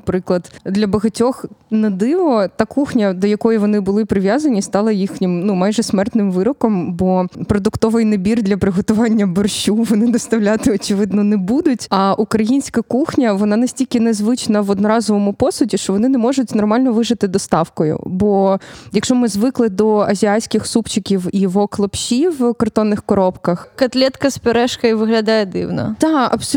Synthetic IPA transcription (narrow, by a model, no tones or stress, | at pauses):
pɾɪklˠɐd̪d̪lʲɐbɐɦɐtʲɔxnɐd̪ɪʋɔt̪ɑkuxnʲɐd̪ɔjɐkɔjiʋɔnɪbʊlˠɪpɾɪʋʲjazɐnʲist̪ɑlˠɐjixnʲɪmnumɑjʒɛsmɛrt̪nɪmʋɪɾɔkɔmbɔpɾɔd̪ʊkt̪ɔʋɪjnɐbʲird̪lʲɐpɾɪɦɔt̪ʊʋɑnʲːɐbɔrʃʲuʋɔnɪd̪ɔst̪ɐwlʲat̪ɪɔt͡ʃɪʋɪd̪nɔnɛbud̪ʊtʲɐʔukɾɐjinʲsʲkɐkuxnʲɐʋɔnɑnɐsʲtʲilʲkʲɪnɛzʋɪt͡ʃnɐʋɔd̪nɔɾɑzɔʋɔmʊpɔsʊdʲiʃt͡ʃɔʋɔnɪnɛmɔʒʊtʲnɔrmɑlʲnɔʋɪʒɪt̪ɪd̪ɔst̪ɑwkɔjʊ̰bɔjɐkʃɔmɪzʋɪklˠɪd̪ɔɐzʲiasʲkʲɪxsupt͡ʃɪkʲiwiʋɔklˠɐpʃiwkɐrt̪ɔnːɪxkɔɾɔpkɐxkɐt̪lʲɛt̪kɐspeɾɛʃkɐiʋɪɦlʲɐd̪ɑjɛd̪ɪ̰wnɔ̰t̪ɑɐ̰bs